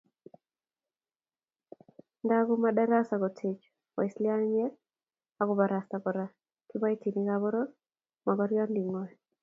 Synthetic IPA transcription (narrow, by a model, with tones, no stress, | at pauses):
ndaɡɔmada˦ɾa˦sa˨kɔ˨tʰe˨t͡ʃ | ɔ̰˨ɪ˨slɪ˦a˦nɲɛ˦l | a˨kɔ˨ba˨ɾa˨stakɔ˨ɾa˨ | kɪba˦i˦ti˨ni˦kabɔɾo˦ | ma˨ɡɔɾjɔ˦ndi˨ŋɔ˨j